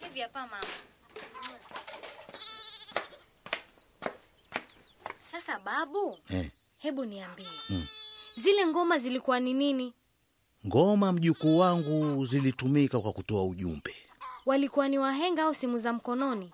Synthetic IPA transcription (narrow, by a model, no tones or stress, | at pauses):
hiviapamama | sasaɓaɓuɛ | hɛɓuniambiɛ | zilɛŋɡɔmazilikuwaninini | ŋɡɔmam̩ʄukuːwaŋɡuzilitumikakwakutɔauʄṵmbɛ | walikuwaniwaɦɛŋɡaausimuzam̩kɔnɔni